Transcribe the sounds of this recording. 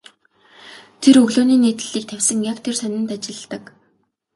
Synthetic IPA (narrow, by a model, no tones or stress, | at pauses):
t̪ʰerɵɣɮoːniːneːt̪ɘ̆ɮiːk̚t̪ʰæwʲsə̆ŋjakt̪ʰersœnʲɪ̆nt̪at͡ɕɪ̆ɮt̪ə̆k